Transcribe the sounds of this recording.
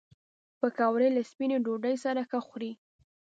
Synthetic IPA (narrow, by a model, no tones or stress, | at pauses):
pəkawɾelaspineɖoɖəjsaɾaxəxɾi